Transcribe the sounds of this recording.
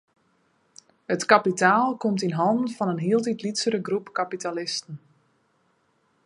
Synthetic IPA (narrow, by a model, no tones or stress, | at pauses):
hətkapitaːlˠkomtinɦɑndən̩fɔnənɦiəlˠtitlitsəɾəɡrupkapitalɪstən̩